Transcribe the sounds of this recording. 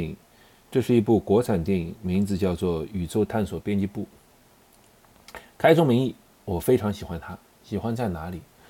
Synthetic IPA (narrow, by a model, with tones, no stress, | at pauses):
ḭ˨˩ŋ | ʈ͡ʂɤ˥˧ʂɻ̩˥˩i˧˥pu˥˩kwɔ˧˥t͡sʰa˨˩nt̪jɛ˥˩ni˨˩ŋmi˧˥ŋt͡sɹ̩˨˧t͡ɕjɑ˥˧ʊt͡swɔ˥˩y˨˩t͡so˥˧ʊt̪ʰa˥˩nswɔ˨˩pjɛ˥nt͡ɕi˥pu˥˩ | kʰa˥ɪt͡sʰʊ˥ŋmi˧˥ŋi˥˩ | wɔ˨˩fe˥ɪʈ͡ʂʰɑ˧˥ŋɕi˨˩xwa˥nt̪ʰa˥ | ɕi˨˩xwa˥nt͡sa˥˩ɪna˧˥li˨˩˦